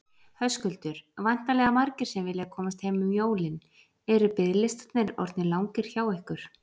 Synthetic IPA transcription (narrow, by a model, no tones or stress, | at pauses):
hœskʏlt̪ʏɾ̥vajn̥t̪alɛɣamaɾcɪɾ̥sɛmvɪlɪɣakʰɔːmast̪hejmʏmjoːwlɪn | ɛɾʏpɪðlɪst̪at̪nɪɾɔ̰ɾt̪nɪlawŋkɪɾ̥çaːwɛhkʏɾ̥